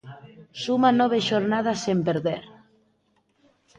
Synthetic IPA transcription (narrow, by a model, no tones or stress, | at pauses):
sumanɔβ̞eʃoɾnað̞asempeɾðeɾ